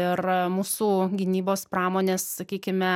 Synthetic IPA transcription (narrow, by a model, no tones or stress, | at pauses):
ɪrmuːsuːɡʲɪnʲiːboːspɾɑːmoːnʲeːssɐkʲiːkʲɪmʲɛ